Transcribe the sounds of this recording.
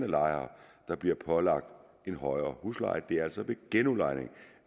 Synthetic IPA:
nəlɑ̈ɪɐd̥ɑ̈b̥liɐpʰɒ̽lɑ̈ɡ̥̚d̥ | e̝nɦɒ̽ɪɐːhuslɑ̈ɪd̥e̝æɐæl̰sɒ̽ʋe̝ɡ̥enulɑ̈ɪne̝ŋ

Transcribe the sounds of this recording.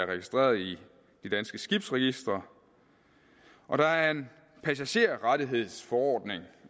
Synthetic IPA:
ɐʁɛɡ̥isd̥ʁḛːɐðˠi | d̥id̥ænsɡ̥əsɡ̥ib̥sʁɛɡ̥isd̥ʁɐ | ʔɒ̽ɾ̥ɑ̈æɐe̝n | pʰæsæɕe̝̰ɐ̰ʁɑdiɦe̝ð̞̰ˠsfɒɒ̰ːd̥ne̝ŋ

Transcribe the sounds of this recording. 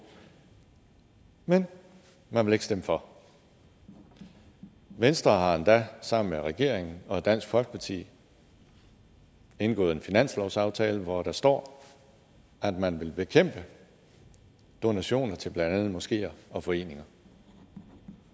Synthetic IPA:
men | mænʋe̝le̝ɡ̥sd̥eməfɒ̽ | ʋensd̥ʁɐːɦɑ̈end̥æsɑ̈m̰n̩meʁɛɡ̥e̝ɐ̰eŋn̩ɒ̽ed̥æn̰sɡ̥fɒ̽lɡ̥ə̥pʰɑ̈t͡sʰḭː | e̝nɡ̥ɔ̰ːð̩ˠe̝nfinæn̰slɒʊsɑ̈ʊt͡sʰɛːləʋɒɾ̥ɑ̈sd̥ɒ̰ː | æd̥mænʋe̝lb̥e̝kʰem̰b̥ə | d̥o̝næɕo̝̰ːnɐt͡sʰe̝lb̥lænd̥ænð̩ˠmɒ̽sɡ̥e̝̰ːɐɒ̽fɒ̽e̝̰ːne̝ŋɐ

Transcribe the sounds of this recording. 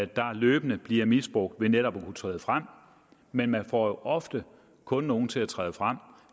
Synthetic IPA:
æ̥d̥ɑ̈løːb̥ənəb̥liɐmisb̥ʁɔ̽ɡ̥̚d̥ʋe̝neɾɒb̥ɒkʰut͡sʰʁɛ̰ːð̞ˠfʁam̰ | menmænfɒ̰ːjo̝ʔɒ̽fd̥ə | kʰɔ̽nːo̝ːn̩t͡sʰe̝læt͡sʰʁɛ̰ːðˠfʁam̰

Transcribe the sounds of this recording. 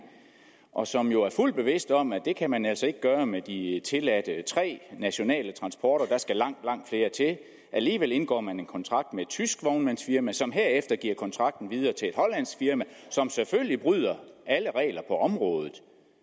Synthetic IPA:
ʔɒ̽sɒ̽mjo̝æɐful̰d̥b̥e̝ʋe̝sd̥ɒ̽mæd̥e̝kʰæmænæl̰sɒ̽e̝ɡ̥əɡ̥ɶːɐmed̥it͡sʰe̝læd̥ət͡sʰʁɛ̰ːnæɕo̝nɛ̰ːlət͡sʰʁɑ̈nsb̥ɒːɾ̥ɐd̥ɑ̈sɡ̥ælɑ̈ŋ̰d̥lɑ̈ŋ̰d̥fle̝ːɐt͡sʰe̝ | ʔæliːʋel̰e̝nɡ̥ɒ̰ːmæne̝nkʰɒ̽nt͡sʰʁɑ̈ɡ̥̚d̥med̥̚t͡sʰysɡ̥ʋɒʊnmænsfiɐmæsɒ̽mɦe̝ɐ̰efd̥ɐɡ̥iɐ̰kʰɒ̽nt͡sʰʁɑ̈ɡ̥̚d̥n̩ʋið̞ˠɐːt͡sʰe̝e̝d̥hɒ̽læn̰sfiɐmæsɒ̽mseføllib̥ʁyð̰ˠɐʔæləʁɛ̰ːlɐpʰɒ̽ʔɒ̽mʁɔ̽ːð̞ˠð̞̩ˠ

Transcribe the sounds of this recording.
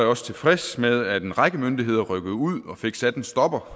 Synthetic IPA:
ɒ̽st͡sʰe̝lfʁesmeðˠæd̥e̝nʁäɡ̥əmønd̥iɦe̝ð̞̰ˠɐʁœɡ̥əð̞̩ˠuð̰ˠɒ̽fe̝ɡ̥sæd̥n̩sd̥ɒ̽b̥ɐ

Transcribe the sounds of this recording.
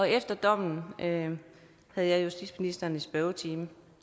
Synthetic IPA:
ɒ̽efd̥ɐd̥ɒ̽m̰n̩ʔø | hæð̞̩ˠjɑ̈ɪjusd̥ḭd̥sminisd̥ɐnisb̥œʊt͡sʰiːm

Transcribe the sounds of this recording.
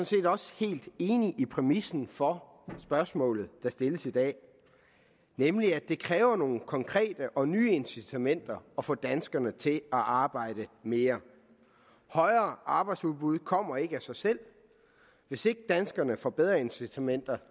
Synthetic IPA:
sɔ̽n̩se̝̰ːd̥ɒ̽sə̥he̝̰ːld̥e̝ːniʔipʰʁɛmisn̩fɒ̽ | sb̥ɶɐsmɔ̰ːlð̞̩ˠd̥ɑ̈sd̥e̝ləsid̥ɛ̰ː | nemliæd̥e̝kʰʁɛːʊɐno̝ːn̩kʰɒ̽ŋkʰʁɛ̰ːd̥əʔɒ̽nyːe̝nsit͡sʰæmen̰d̥ɐɒ̽fɔ̰̽ːd̥ænsɡ̥ɐnət͡sʰe̝æʔɑ̈ːb̥ɑ̈ɪ̰ɾ̥əme̝ːɐ | hɒ̽ɪɐːʔɑ̈ːb̥ɑ̈ɪd̥suðˠb̥uð̞̰ˠkʰɒ̽m̰ɐe̝ɡ̥əæsɑ̈ɪsel̰ | ʋe̝se̝ɡ̥əd̥ænsɡ̥ɐnəfɒ̽b̥eð̞ˠʁɐe̝nsit͡sʰæmen̰d̥ɐ

